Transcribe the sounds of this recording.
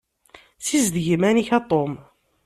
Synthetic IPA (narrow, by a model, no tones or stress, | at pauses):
sizd̪ʝəmæniçæt̪ˤom